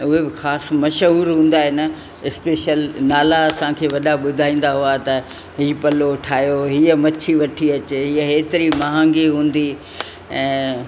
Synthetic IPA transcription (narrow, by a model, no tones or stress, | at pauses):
ʊɦebɪxaːsmɐʃəɦuːɾɦũːnd̪aɦenɐ | ɪspeːʃəlnaːlaːsãkʰeːʋɐɗaɓʊd̪ʱaːĩːn̆d̪aɦuat̪ɐ | ɦiːpɐloʈʰaːjoɦiːəmɐt͡ɕʰiʋɐʈʰiɐt͡ɕeɦiːəɦeːt̪ɪɾimɐɦãːŋɡiɦũːnd̪i | ɛ̃ː